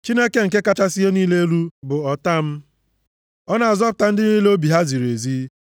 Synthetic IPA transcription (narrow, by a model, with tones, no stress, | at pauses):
t͡ʃi˦ne˦ke˨ŋ̩˨k̬e˦ka˦t͡ʃa˦si˦e˦niː˦le˦e˦lu˦bʊ˨ɔ˨ta˦m̩˦ | ɔ˦na˨a˨zɔ˦pʊ˨ta˦n̩˦dɪ˦niː˦le˦o˦bi˨ɦa˦zi˨ɾe˨zi˦